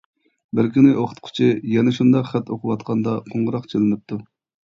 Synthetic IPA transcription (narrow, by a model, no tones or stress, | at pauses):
bɪɾkʲʰynɪʔoχʰʊ̥t̪qʰʊ̥t͡ʃʰijɛnɛʃund̪ɑqχɛt̪ʰoqʰʊwɑt̪qʰɑnd̪ɑqʰoɴʁəɾɑqt͡ʃʰelɪnɪp̚t̪ʰu